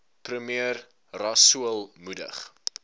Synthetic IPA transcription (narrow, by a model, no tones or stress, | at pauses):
prəmiər | rɑsuəlˠmudə̰χ